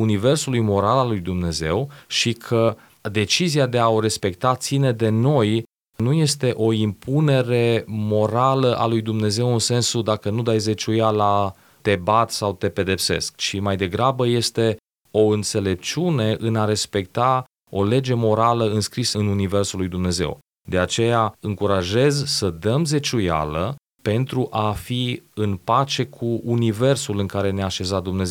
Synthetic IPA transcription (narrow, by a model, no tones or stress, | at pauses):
unive̞rsulujmo̞ɾalalujd̪umne̞ze̞̰wʃikʰə | d̪e̞t͡ʃiziad̪e̞ao̞ɾe̞spe̞kt̪at̪sine̞d̪e̞no̞j | nuje̞st̪e̞ʔo̞impune̞ɾe̞mo̞ɾaləʔa̰lujd̪umne̞ze̞wɨnse̞nsud̪akənud̪ajze̞t͡ʃujala | t̪e̞bat̪sawt̪e̞pe̞d̪e̞pse̞̰sk̚t͡ʃimajd̪e̞ɡɾabəje̞st̪e̞ | o̞ɨnt̪se̞le̞p̚t͡ʃune̞ʔɨnaɾe̞spe̞kt̪a | o̞le̞d͡ʒe̞mo̞ɾaləɨnskɾisəɨnunive̞rsulujd̪umne̞ze̞̰w | d̪e̞at͡ʃe̞jaɨŋkuɾaʒe̞zsəd̪əmze̞t͡ʃuja̰lə | pe̞nt̪ɾuʔafiɨnpat͡ʃe̞kʰuːnive̞rsulɨŋkaɾe̞neaʃe̞zat̪̚d̪umne̞ze